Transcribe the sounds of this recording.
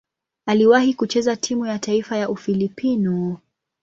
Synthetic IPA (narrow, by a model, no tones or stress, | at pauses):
aliwahikut͡ʃɛzatʰimujataifajaʔufilipinu